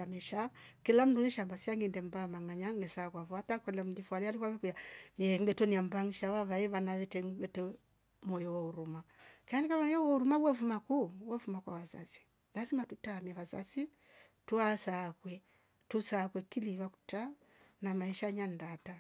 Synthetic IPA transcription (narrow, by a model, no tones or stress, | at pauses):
amɛʃakilam̩dunɛʃambasiaŋɡindɛmbamaŋaɲanɛsakwavwatakwɛlɛm̩difwaɾialikwaβɛkujajɛŋɡɛtɔniambaŋiʃaβaβaɛβanaβɛtɛβɛtɛ | mɔjɔwɔuɾumakanikamaɔjɔwɔuɾumawɛfumakuwɛfumakwawaza̰si̥ | lazimatutaːmiaβazasi | tuasakwɛ | tusakwɛkiliβaku̥ta | namaiʃaɲandata